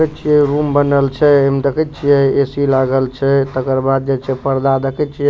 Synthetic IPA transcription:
kət̪t͡ʃʰijɛɾumbənəlt͡ʃʰɛemd̪əkət̪̚t͡ʃʰijɛesilaɡəlt͡ʃʰɛt̪əkəɾbad̪̚d͡ʒet͡ʃʰɛpəɾd̪ad̪əkət̪̚t͡ʃʰij

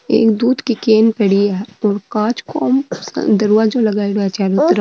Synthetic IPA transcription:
ḛːkd̪uːd̪kikeːnpɐɽiɦɛːɔːɾkãːt͡ʃkɔːm̰d̪ɐɾuad͡ʒolɐɡaːiɾɛt͡ʃaːɾut̪ɾ

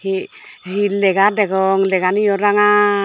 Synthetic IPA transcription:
i | ɦilɛɡadɛɡɔŋlɛɡanijɔɾaŋa

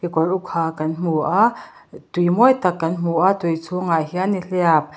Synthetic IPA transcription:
hikɔlʔukʰːaːkɐnm̥uʔa | t̪ujmɔjt̪ɐkːɐnm̥uʔat̪ujt͡sʰuŋajɦianiɬɛap̚

